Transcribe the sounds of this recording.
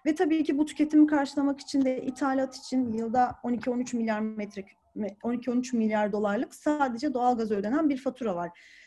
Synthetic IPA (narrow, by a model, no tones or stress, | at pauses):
vɛt̪ʰabiːcibut̪ʰy̥cʰʲe̞t̪ʰimikʰaɾʃɯlˠamaki̥t͡ʃʰind̪ɛʔit̪ʰaːlʲat̪ʰi̥t͡ʃʰinjɯlˠd̪ao̞nicʰio̞nyt͡ʃmilʲjaɾmɛt̪ɾɛ | ɛo̞nicʰio̞nyt͡ʃmilʲjaɾd̪o̞lˠaɾlˠɯksaːd̪e̞d͡ʒɛd̪o̞alˠɡazø̞d̪e̞nænbiɾfat̪ʰuɾavaɾ̥